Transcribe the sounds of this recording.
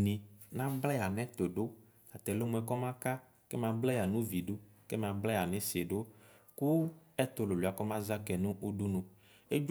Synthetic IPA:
nĩ˨nã˦blɛ˦˨a˨nɛ̃˦t̪o˨ɖo˦ | a˨t̪ɛ˨lo˦mũ˨˦ɛ˨kɔ˦mã˦ka˦ | ke˦mã˨blɛ˦ja˨nũ˦vi˨ɖo˦kɛ˦mã˨blɛ˦ja˨nɛ̃˦se˨ɖo˦ku˦ɛ˦t̪o˨lo˨lo˨a˨kɔ˦mã˦za˦kɛ˨nũ˦ʔu˦ɖu˦nũ˨ | e˦d͡ʒ

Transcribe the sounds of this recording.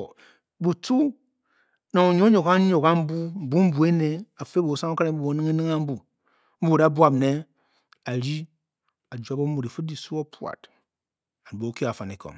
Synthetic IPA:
bu˨tu˦ | na˨o˨ɲo˦ɲo˨ka˦ɲo˨ka˦m̩˦bu˦m̩˨bu˦m̩˦bu˨e˦ne˨a˨fe˦bo˨˦sa˦ŋo˦ka˦ɾe˦m̩˦bu˦o˨˦nɨ˦ŋe˦nɨ˦ŋa˦m̩˦bu˦ | m̩˦bu˦˨da˦bwa˨ne˦ | a˨ɾi˦ | a˨d͡ʒa˨˦bo˦mu˨ɾi˨fɨ˦di˨su˦o˦pwa̰˨t | a˨n˨bo˨˦ki˦a˨fa˨ne˨ko̰˨ŋ

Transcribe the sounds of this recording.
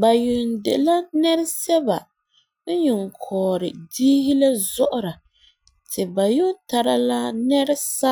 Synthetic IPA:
ba˨ju˨n˨dḛ˨la˦nɛ˦ɾɪ˦sɛ˦ba˨ | n̩˦ɲʊ˨ŋ˨kʰɔː˨ɾɪ˨diː˦hi˦la˦zɔ˦ʔʊ˦ɾa˨ | tɪ˨ba˨jʊ˦ta˨ɾa˦la˦nɛ˦ɾɪ˦sa˦

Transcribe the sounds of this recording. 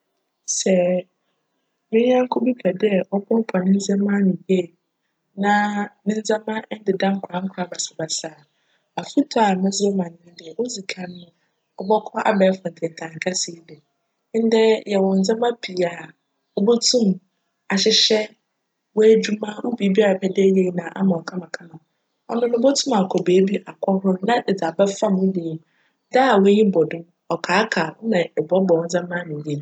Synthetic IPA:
sɛ˨ | mɪ̃˦ã˦ŋ̩˦kʰɔ˦bi˦kʰɛ˨dɛ˦˨ʔɔ˦bʰɔ̃˦m˦pʰa˨nɪ̃˦n̩˦d͡za˦mã˦nɪ̃˨je˦˨ | nã˦nɪ̃˦n̩˦d͡zã˦mã˦n̩˦dɪ˨dã˦ŋ̩˦kʰɾa˨˦ŋ̩˦kʰɾa˨ba˨sa˨ba˨saː˨ | a˨fu˦tʰɔ˦a˨mɪ̃˦zo˦mã˨n˨ɪ̃˦dɪ˨ɛ˨wo˦zi˨kʰã˦nː˦ʊ̃˦ | ɔ˦bɔ˦kʰɔ˦ʔa̰˦bɛ˨˦fʊ̃˨n̩˨dʰɪ˨ɛ˨tʰã˨ŋ˨kʰa˦sɪ˨˦dɛ˨˦ | n̩˦dɛ˦jɛ˨wɔ̃˨n̩˨d͡zɛ̃˦mã˦pʰi˨a˨ | o˦bo˦tʰũ˦m | a˨ɕɪ˨˦ɕɛ˦ | wɔ˦æ˦d͡ʑᶣu˦mã˦wo˦bi˨˦bi˦a˦a˨pʰɛ˨dɛ˦je˦nã˨ʔa̰˦mã˨ɔ˨kʰã˦mã˨kʰã˦mã˨ | ɔ̰˦nʊ̃˦nʊ̃˦bo˦tʰũ˦ma˨kʰɔ˨be˨˦bi˦a˨kʰɔ˦hʊ˦nã˦˨d͡za˨ba˦fa˦mʊ̃˦de˨m˨ | da˦˨wɛ˦ɲĩ˦bɔ˨dʊ̃˦ | ɔ˨kʰaː˨˦kʰa˨wɔ̰˦nã˨ɛ˨bɔ˦bɔ˨wɔ̃˨˦d͡zɛ̃˦mã˦nɪ̃˨dĩ˦˨

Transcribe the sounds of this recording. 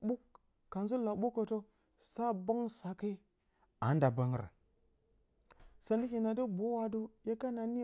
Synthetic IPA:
ɓu˦kː | a˨nzu˦la˨ɓu˦kːə˨to˦ | sa˦ba˦ŋsa˨ka˦i˦ | a˨˦n˦da˨ba˦ŋ˦ɾa̰˨ | sa˨ndi˦ki˨na˨də˦bo˨˦wa˨du˦je˦ka˦na˨ni˦

